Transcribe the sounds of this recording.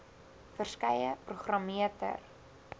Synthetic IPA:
fərskɛjəpruχrɑmiətə̰r

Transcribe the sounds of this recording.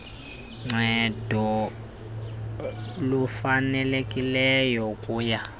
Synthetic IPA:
ŋ͡ǀʱɛdʱɔ | lufanɛlekʼilɛjɔkʼuːja

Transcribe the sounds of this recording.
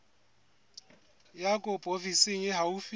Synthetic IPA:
jakʼʊpʼofisɪŋ̩jeɦaufi

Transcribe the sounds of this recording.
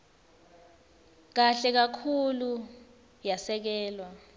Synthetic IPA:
k̬aɬɛk̬akʰulu | jasɛk̬ɛːlwa

